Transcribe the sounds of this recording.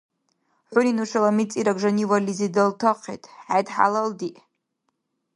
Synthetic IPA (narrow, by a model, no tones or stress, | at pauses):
ħʷʊninuʂalamit͡sʼiɾaɡʐaniwalizidaltʰaqʰḛtʼʕajdħa̰laldiʔ